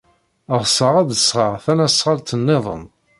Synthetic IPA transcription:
əʁsəʁæd̪əsʁəʁθænæsʁalt̪ənːɪðˤə̰n

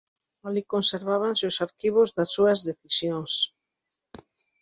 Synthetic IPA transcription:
alikonseɾβaβansɪʊsaɾkiβ̞ʊzðasːuɐzðeθisjoŋs

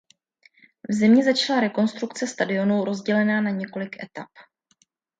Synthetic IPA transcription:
vzɪmɲɛzat͡ʃalaɾɛko̞nst̪ɾukt͡sɛst̪adɪo̞nuwɾo̞zɟɛlɛnaːnaɲɛko̞lɪkʔɛ̰t̪ap

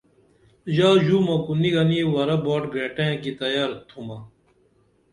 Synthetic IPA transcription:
ʑaːʑuːmɐkuniɡɐniwɐɾɐboːʈɡɾeːʈẽːkit̪ɐjaɾt̪ʰumɐ

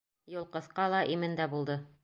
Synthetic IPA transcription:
jŭlˠqɤ̆θqɑlˠɑʔimɘnd̪æbulˠd̪ɤ

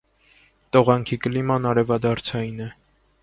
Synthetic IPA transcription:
t̪ɔʁɑŋkʰikəlimɑnɑɾɛvɑd̪ɑɾt͡sʰɑjinɛ

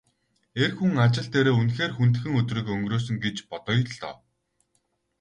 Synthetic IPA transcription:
erxuŋat͡ɕɪ̆ɮt̪eːɾeːunxeːrxunt̪̆xɘ̆ŋɵt̪riːkɵŋɡroːs̬ɵ̆ŋɡet͡ɕpɔt̪ɞ̆jɮt̪ɔ̰w

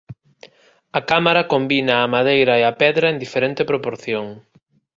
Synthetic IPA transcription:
ɐkamaɾɐkombinɐːmaðejɾɐeɐpɛðɾɐend̪ifeɾɛnt̪epɾopoɾθjoŋ

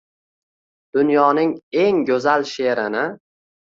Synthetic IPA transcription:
d̪̥ʊnjɒnɪŋe̞ŋɡʲɵzalʃe̞ɾɪnɪ

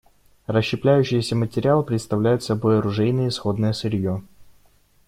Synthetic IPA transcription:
rəɕːɪplʲæjʉɕːɪjəsʲəmətʲɪɾʲɪalˠpɾʲɪt̪st̪ɐvlʲæjʊt̪sɐbo̞jɐɾʊʐɛjnəjəɪsxo̞d̪nəjəsɨɾʲjo

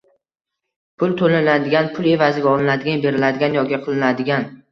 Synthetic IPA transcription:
pʰʊlˠt̪ʰolɪnad̪ɪɡʲanpʰʊlˠe̞vazɪɡʲaɒlˠɪnad̪ɪɡʲanbe̞ɾɪlad̪ɪɡʲanjɒɡʲɪqʰɨlˠɪnad̪ɪɡʲan

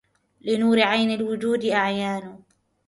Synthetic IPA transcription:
lɪnuːɾɪʕajnalwʊd͡ʒuːd̪ɪʔaʕjaːnʊ

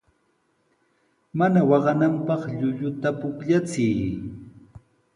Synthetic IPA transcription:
manawɑɢɑnampɑχʎʊʎʊt̪apʊkʎat͡sɪj

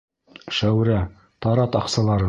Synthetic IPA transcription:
ʃæwɾæ | t̪ɑɾɑt̪ɑqsɑlˠɑɾɤ

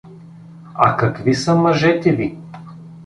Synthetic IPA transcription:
ɐ̰kɐkvisəmɐʒɛt̪ɛvi

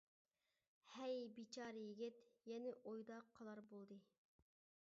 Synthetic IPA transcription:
hɛjbit͡ʃʰɑːɾɨjiɡʲɪt̪jɛnɪʔojd̪ɑqʰːɑlˠɑɾbolˠd̪ɨ

